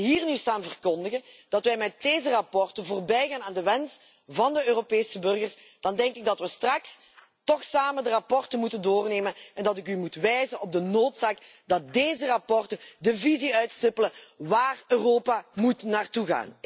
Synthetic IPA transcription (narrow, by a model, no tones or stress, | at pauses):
ɦiːrnystaːnvərkɔndəɣənd̥ɑtʋɛjmɛt̚deːzərɑpɔrtəvoːrbɛjɣaːnaːndəʋɛns | vɑndəøːropeːsəbɵrɣərs | d̥ɑndɛŋkɪɡ̚dɑtʋəstrɑks | tɔxsaːməndərɑpɔrtəmutəndoːrneːmənɛndɑtɪk̬ymutʋɛjzənɔb̚dənoːtsaːk | dɑt̚deːzərɑpɔrtədəviziœɥtsɪpələʋaːrøːroːpamutnaːrtuɣa̰ːn